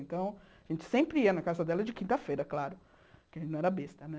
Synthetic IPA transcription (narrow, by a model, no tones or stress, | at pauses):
ẽt̪ɐ̃w̃ | aʒẽnt͡ʃɪ̥sẽmpɾɪiɐnɐkazɐd̪ɛlɐd͡ʒɪkĩnt̪ɐfejɾɐklaɾʊ | kɪɐʒẽt͡ʃɪnɐ̃ɛɾɐbest̪ɐnɛ